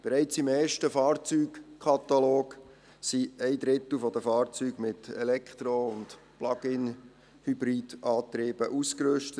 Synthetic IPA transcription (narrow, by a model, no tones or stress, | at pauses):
b̥eɾɛɪt͡simɛːɾʃtəfɑːrt͡syːkkʰɑt̪aloːk | siɛɪd̪ɾɪt̪l̩fɔdəfɑːɾt͡syːɡ̥mɪtɛlɛkχt̪ɾoʊnt | plɑɡ̥ɪn | hybɾiːd̥ɑːt̪ɾeːb̥əʔuskɾʏʃtə